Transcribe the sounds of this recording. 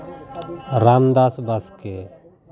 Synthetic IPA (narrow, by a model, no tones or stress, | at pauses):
ɾamd̪asbaske